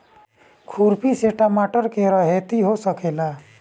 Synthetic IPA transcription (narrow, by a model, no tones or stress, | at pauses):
kʰuɾpiseʈamaːʈəɾkeɾəɦet̪iɦosəkeːla